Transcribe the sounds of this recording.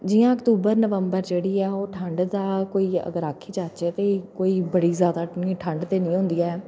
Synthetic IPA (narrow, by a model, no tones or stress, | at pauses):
d͡ʒɪːãːəkt̪uːbəɾnəʋəmbəɾd͡ʒeːɽiːɛːoːʈʰəɳɖd̪aːkoːiːə̰ɡəɾaːkʰːiːt͡ʃaːt͡ʃeːt̪eːkoːiːbəɽiːzjaːd̪aːĩːʈʰəɳɖt̪eːnĩːɦʊ̃nd̪iːaɛː